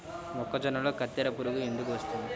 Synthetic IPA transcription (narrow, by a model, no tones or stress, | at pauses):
mɔkːɐd͡ʒɐnɐlo̞ːkɐt̪ːɛɾɐpuɾuɡuend̪ukuʋɐst̪und̪i